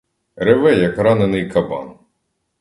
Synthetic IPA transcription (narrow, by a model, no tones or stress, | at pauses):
ɾeʋɛjɐkɾɑnenɪjkɐbɑ̰n